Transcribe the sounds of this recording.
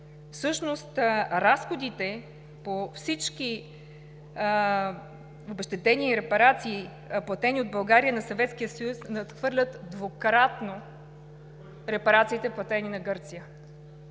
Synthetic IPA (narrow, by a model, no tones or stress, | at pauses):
fsɤʃnost̪ɾasxod̪it̪ɛ | pofsit͡ʃki | obɛʃt̪ɛt̪ɛniɾɛpɐɾat̪siː | plˠɐt̪ɛniod̪̚bɐlˠɡaɾiənɐsɐvɛt̪skijəsɐjusnɐt̪xvɤɾlʲət̪d̪vokɾat̪no | ɾɛpɐɾat̪siːt̪ɛplˠɐt̪ɛninɐɡɤɾt̪sijə